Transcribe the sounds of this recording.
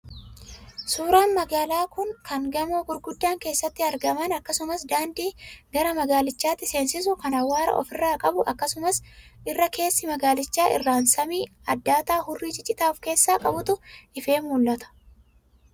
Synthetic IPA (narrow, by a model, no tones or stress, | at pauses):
suːɾaːnmɐɡaːlaːkʊŋkɐŋɡɐmoːɡʊɾɡʊd̪ːaːŋke̞ːsːɐt̪ːɪɐɾɡɐmɐnɐkːɐsʊmɐsd̪aːnd̪iːɡɐɾɐmɐɡaːlɪt͡ʃːaːt̪ːɪse̞ːnsɪs̬ʊkɐnɐwːaːɾɐ̰ʔɔ̰fɪrːaːkʼɐbʊʔɐkːɐsʊmɐsʔɪrːɐke̞ːsːɪmɐɡaːlɪt͡ʃːaːʔɪ̰rːaːnsɐmiːɐd̪ːaːt̪aːhʊrːiːt͡ʃʼɪt͡ʃʼːɪt̪aːfke̞ːsːaːkʼɐbʊt̪ʊʔɪfe̞ːmmuːlːɐt̪ɐ̥